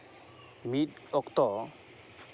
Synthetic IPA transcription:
mit | ɔkt̪ɔ

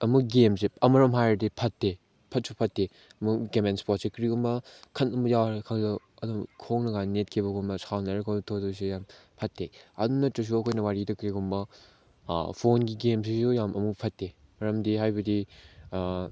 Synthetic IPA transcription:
ɐmukɡemseɐmɐɾɐmɦajɐdipʰɐtːe | pʰɐt̚supʰɐtːe | ɐmuɡemenspot̚sikɾiɡumbɐkʰɐnɐmujawɾkʰaŋzɐ | ɐdumkʰoŋnɐɡanet̚kʰibɐɡumbɐsawnaɾɐkʰotʰodɐsijampʰɐtːeɐ̰dunɐtus̬uɐkʰojnɐwaɾidɐkɾiɡumbɐ̰ | pʰonɡiɡemsisujamʔɐmupʰɐtːe | mɐɾɐmdiɦajbɐdi

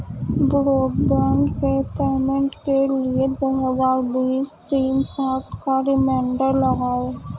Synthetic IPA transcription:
bʊɾoːkbɛ̃ːɳɖketɛːmə̃ɳʈkelied̪oɦəzaːɾbiːst̪iːnsaːt̪ʰkaɾɪmɛ̃ːɳɖəɾlɐɡaː

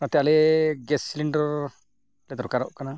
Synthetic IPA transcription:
at̪ɛaleɡɛsiliɳɖɔɾ | led̪ɔɾkaɾɔʔkana

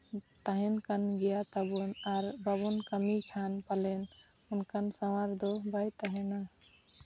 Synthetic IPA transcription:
t̪əɦenkənɡijat̪əbunaɾbəbunkəmikʰanpalen | unkənsəwaɾd̪obajt̪əɦena

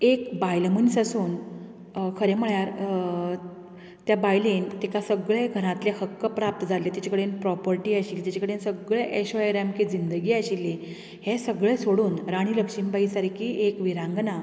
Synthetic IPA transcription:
ekbajlmənsasuːn | kʰəɾem̤əɭjaɾ | t̪jabajlent̪ikasəɡɭeɡʱəɾãt̪lehəkːəpɾap̚t̪əd͡zʱalet̪at͡ɕakəɽenpɾɔpəɾʈiːaɕikːt̪jat͡ɕakəɽensəɡɭeʔeɕoeɾamkiːd͡zind̪əɡiːaɕilːe | hesəɡɭesoɽuːnɾaɽ̃iːləkɕimbaisaɾkiːʔekʋiɾãŋɡna

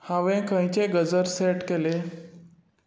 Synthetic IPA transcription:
haʋẽkə̃jt͡ɕeɡəd͡zəɾseʈkele

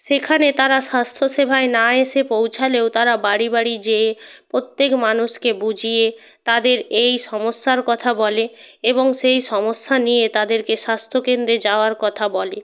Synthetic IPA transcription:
ʃekʰanet̪aɾaʃast̪ʰoʃebʱaenaeʃepowt͡ɕʰaleot̪aɾabaɽibaɽid͡ʑeːpɾot̪ːekmanuʃkebud͡ʑʱije | t̪ad̪eɾejʃɔmoʃːaɾkɔt̪ʰabɔleeboŋʃejʃɔmoʃːanijet̪ad̪eɾkeʃast̪ʰokend̪ɾed͡ʑaoaɾkɔt̪ʰabɔle

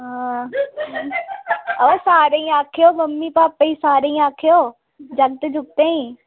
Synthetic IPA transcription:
ɦãː | ɐʋasaːɾeĩaːkʰijoːmɐmːipaːpːɐisaːɾeĩaːkʰijoː | d͡ʒɐŋt̪ed͡ʒʱʊk̚t̪eːĩ

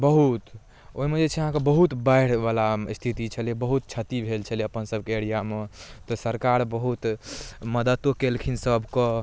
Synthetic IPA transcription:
bəɦut̪ | oɦimed͡ʒet͡ʃʰɛəɦãkebəɦut̪baɪɽ̤balast̪ʰit̪it͡ʃʰəlebəɦut̪̚t͡ʃʰət̪ibʱelt͡ʃʰəliəpənsəbʱkeeɽijamet̪ɔsəɾkaɾbəɦut̪məd̪ət̪ːokelkʰinsəbʱkɔ

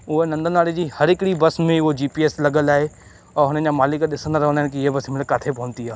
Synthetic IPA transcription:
ʊɦenɐ̃nd̪ʱənaːɽed͡ʑiːhɐɾɪkɪɽibɐsmẽʊɦod͡ʑiːpieːslɐɡəlaːɦe | ɛ̃ːɦʊnəd͡ʑaːmaːlɪkɗɪsə̃nd̪ɾɐɦə̃nd̪aːɪ̃nɪkiɪɦebɐsmɪlkaːt̪ʰepɐɦʊ̃nt̪iaː

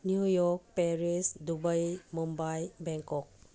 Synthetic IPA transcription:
njujɔɾk̚peɾisdubajmumbajbɛŋkɔk̚

